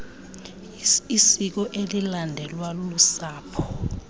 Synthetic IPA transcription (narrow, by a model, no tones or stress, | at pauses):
isik̬ɔʔelilandʱɛlwalolusaːpʰɔ̥